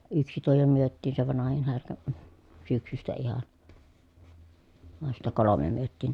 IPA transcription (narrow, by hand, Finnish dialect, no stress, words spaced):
yksi tuo jo myøtːiːn se ʋɑnɑhin hærkæ m̩ syksystæ ihɑn ʋɑn sitːæ kolome myøtːiːn